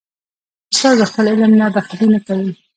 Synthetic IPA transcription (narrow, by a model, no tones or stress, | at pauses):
sɑzəxpəlɪlɪmnad̪axalinakawi